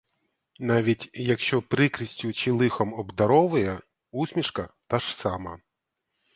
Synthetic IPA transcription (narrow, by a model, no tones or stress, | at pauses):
nɑʋʲitʲjɐkʃt͡ʃɔpɾɪkɾɪsʲtʲʊt͡ʃɪlˠɪxɔmɔbd̪ɐɾɔʋʊjɛ | usʲmʲiʃkɐt̪ɑʒ̥sɑmɐ